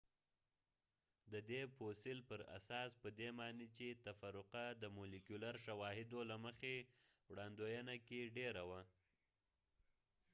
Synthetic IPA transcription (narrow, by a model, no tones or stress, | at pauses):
d̪əd̪eposɪlpəɾa̰sɑspəd̪emɑnet͡ʃet̪afaɾʊqad̪əmulikjulaɾʃawɑhɪd̪olaməxewɽɑnd̪ojanakeɖeɾawa